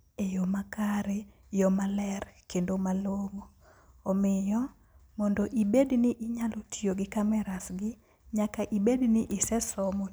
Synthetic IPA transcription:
ejomakaɾe | jɔmalɛrkendomaloŋoː | mɪjɔ | mɔndoʔibednɪʔɪɲalotʰioɡɪkamɛɾasɡɪ | ɲakaʔibednɪʔɪsɛsɔmɔ

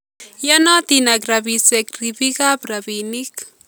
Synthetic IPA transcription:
janat̪inakɾabisekɾɪbiɡapɾabinik

